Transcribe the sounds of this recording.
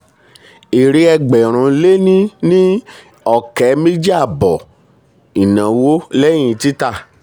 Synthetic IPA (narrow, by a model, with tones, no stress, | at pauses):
e˨ɾe˧˦ɛ˧ɡ͡bɛ˨ɾ̃ũ˨˧le˦nĩ˦nĩ˦ | ɔ˦˨kɛ˨˦mĩ˦d͡ʒi˦a˦˨bɔ˨ | i˨nã˨wo˦lɛ˦j̃ĩ˧˦ti˦ta˦˨